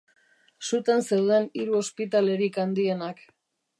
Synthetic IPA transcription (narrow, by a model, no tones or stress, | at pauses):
sut̪ensewðe̞niɾuo̞spit̪ale̞ɾikand̪ie̞nak